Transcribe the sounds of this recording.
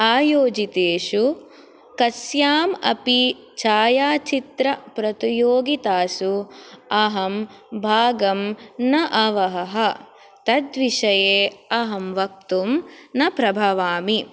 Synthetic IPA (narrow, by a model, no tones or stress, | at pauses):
aːjoːd͡ʒit̪eːʃu | kɐsjaːmɐ̰pi | t͡ʃaːjaːt͡ʃit̪ɾɐpɾɐt̪ijoːɡit̪aːsuɐɦɐm | bʱaːɡɐmnɐʔɐʋɐɦɐɦɐ | t̪ɐd̪ʋiʃɐjeːɐɦɐmʋɐk̚t̪umnɐpɾɐbʱɐʋaːmi